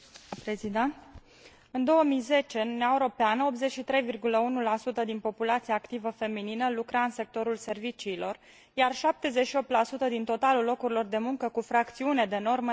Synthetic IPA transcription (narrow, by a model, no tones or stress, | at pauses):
pɾezid̪a | ɨnd̪o̞wəmijze̞t͡ʃe̞ɨnuneaeuɾo̞peanəo̞p̪ze̞t͡ʃʃit̪ɾe̞jvirɡuləunulasut̪əd̪inpo̞pulat̪siaːkt̪ivəfe̞mininəlukɾaɨnse̞k̚t̪o̞ɾulse̞rvit͡ʃiːlo̞r | jarʃap̚t̪e̞ze̞t͡ʃʃio̞p̚t̪lasut̪əd̪int̪o̞t̪alulːo̞kuɾilo̞rd̪e̞muŋkəkufɾakt̪siune̞d̪e̞no̞rmə